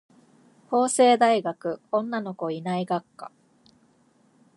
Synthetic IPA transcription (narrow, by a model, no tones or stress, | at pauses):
ho̞ːse̞ːd̪aiɡakɯ̟õ̞nːano̞ko̞inaiɡakːa̰